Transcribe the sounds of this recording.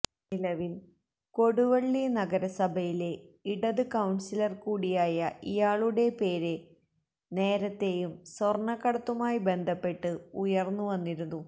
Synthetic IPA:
nilɐʋil | ko̞ɽuʋɐɭːinɐɡɐɾɐsɐbʱɐjile̞iɽɐðɨkɐwɳsilɐrkuːɽijaːjɐʔijaːɭuɽe̞pe̞ːɾe | ne̞ːɾɐt̪ːe̞jumsorɳɐkːɐɽɐt̪ːumaːjibe̞nd̪ʱɐpːe̞ʈːɨujɐrnːuʋɐnːiɾunːu

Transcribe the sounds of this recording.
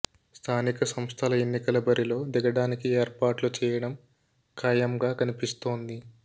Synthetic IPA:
st̪ʰaːnikɐsɐmst̪ʰɐlɐe̞nːikɐlɐbɐɾilo̞ːd̪ɛɡɐɽaːnikieːɾpaːʈlut͡ʃɛːjɐɽɐm | kʰɐjɐmɡaːkɐnipist̪o̞ːnd̪i

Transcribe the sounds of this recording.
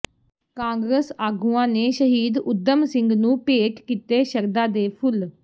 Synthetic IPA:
kãːŋɡɾəsaːɡuːãːneːʃəɦiːd̪ʊd̪ːəmsɪ̃ŋɡnũːpeːʈkiːt̪eːʃəɾd̪aːd̪eːpʰʊl

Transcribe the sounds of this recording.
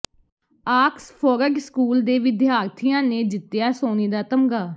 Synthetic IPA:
aːkspʰoːɾəɡskuːld̪eːʋɪd̪ɪɦaːɾt̪ʰijãːneːd͡ʒɪt̪ːjaːsoːniːd̪aːt̪əmɡaː

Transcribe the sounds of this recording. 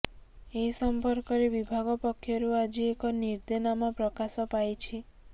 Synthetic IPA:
eɦisɔmpɔɾkɔɾebibʱaɡɔpɔkʰːjɔɾuad͡ʒiekɔniɾd̪enamapɾɔkasɔpajt͡ʃʰi

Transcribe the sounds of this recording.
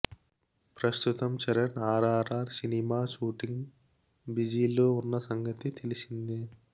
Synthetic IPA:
pɾɐst̪ut̪ɐmt͡ʃɐɾɐnaːɾaːɾaːɾsinimaːʃuːʈiŋɡ | bid͡ʒiːlo̞ːunːɐsɐŋɡɐt̪it̪e̞lisind̪i

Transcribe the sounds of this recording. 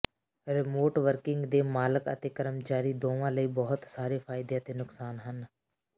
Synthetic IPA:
ɾɪmoːʈʋəɾkɪŋɡd̪eːmaːləkə̰t̪eːkəɾəmt͡ʃaːɾiːd̪oːʋãːləiːbɔɦʊt̪saːɾefʰaːɪd̪ejat̪eːnʊksaːnɦən

